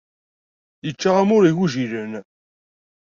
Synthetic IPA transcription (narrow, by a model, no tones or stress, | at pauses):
jət͡ʃːaʁamʊɾiʝuʒiɾən